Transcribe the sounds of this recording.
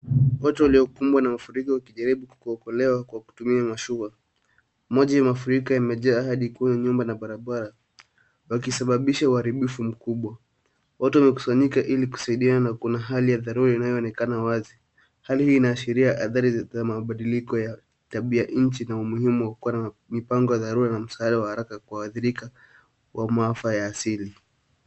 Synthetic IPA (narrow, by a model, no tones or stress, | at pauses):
watɛwaliɔkumbwanamafuɾikɔwakiʄaɾiɓuku̥kuɔkɔlɛwakwaku̥tumiamaʃua | mɔʄajamafuɾikɔjamɛʄaːɦaɗikuaɲɲumbanaɓaɾaɓaɾa | wakisaɓaɓiʃauhaɾiɓifum̩kuɓwa | watuwamɛku̥saɲikaʔiliku̥saiɗiananakunaɦalijaðaɾuɾainajɔːnɛkanawazi | halihiːnaːʃiɾiaʔaθaɾizamaɓaɗilikɔja | taɓiaɲ̩t͡ʃinaumuhimuwakuwanamipaŋɡɔjaðaɾuɾanam̩saaɗawahaɾakakuaːθiɾika | wʔamaafajaːsili